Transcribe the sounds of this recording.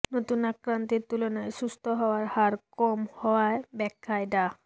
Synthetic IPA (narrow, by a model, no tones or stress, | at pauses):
not̪unakɾant̪iɾt̪ulonajsust̪ʰɔɦɔoaɾhaɾkɔmhɔaebɛkʰːajda